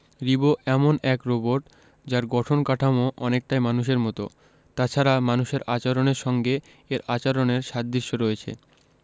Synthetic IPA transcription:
ɾiboʔɛmonɛkɾoboɾʈ | d͡ʑaɾɡɔʈʰonkaʈʰamoʔɔnek̚ʈajmanuʃ̬eɾmɔt̪o̰ | t̪at͡ɕʰaɾamanuʃeɾat͡ɕaɾoneɾʃɔŋɡe | eɾat͡ɕaɾoneɾʃad̪̚d̪iʃːoɾɔet͡ɕʰḛ

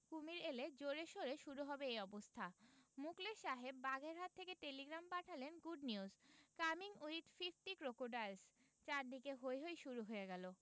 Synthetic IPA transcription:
kumiɾeled͡ʑoɾeʃoɾeʃuɾuɦɔbeejɔbost̪ʰamukleʃaɦebːaɡeɾɦat̪ʰːekeʈeliɡɾampaʈʰalenɡuɖniuzkamiŋuiʈfifʈikɾokoɾɖaɾs | t͡ɕaɾd̪ikeɦoeɦojʃuɾuɦoeɡɛlo

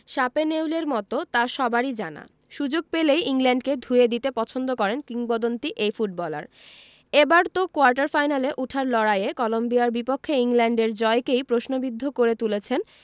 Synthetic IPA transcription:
ʃapenewleɾmɔt̪ot̪aʃɔbaɾid͡ʑa̰na̰ | ʃud͡ʑoɡ̚pelejiŋlɛɳɖked̪ʱued̪it̪epɔt͡ɕʰond̪okɔɾenkiŋbɔd̪ont̪iʔejfuʈ̚bɔla̰ɾ | ebaɾt̪okoaɾʈ̬aɾfajnaleʔuʈʰaɾlɔɽajekɔlombiaɾbipokʰːeiŋlɛɳɖeɾd͡ʑɔekejpɾoʃnobid̪ʱːokoɾet̪ulet͡ɕʰen

